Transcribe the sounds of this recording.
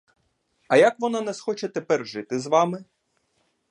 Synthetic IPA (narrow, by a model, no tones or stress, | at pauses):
ɐjakʋɔnɑnɛsxɔt͡ʃɛt̪ɛpɛrʒɪt̪ɪzʋɑmɪ